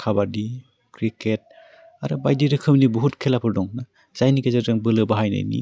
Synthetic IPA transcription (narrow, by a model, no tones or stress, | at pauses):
kʰabadi | kɾiket̚ | a̰ɾɯbajdiɾɯkʰɯmnibuɦutkʰelapʰɯɾdɔŋna | z̥ajnikezaɾzɯŋbɯlɯbaɦajna̰jnḭ